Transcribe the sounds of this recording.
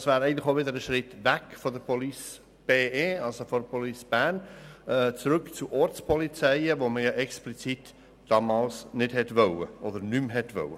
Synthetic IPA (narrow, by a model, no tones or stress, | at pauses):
svæːɾɛɪəntləxoʊʋɪd̪əɾəʃɾɪtvækfɔdəpʰɔlis | b̥eːeːɑlsofɔdpʰɔlisb̥æːɾnɛt͡sɾʏkt͡suʔɔɾt͡spʰɔlit͡sɛɪəʋoməjɑʔɛksplit͡sit | d̥ɑmɑːlsnɪd̥hɛtvœwə̰ʔɔd̪əɾnymɦɛtʋœ̰wə